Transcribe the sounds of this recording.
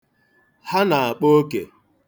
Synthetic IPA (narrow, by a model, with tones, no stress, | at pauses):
ha˦na˨a˨k͡po˦kḛ˨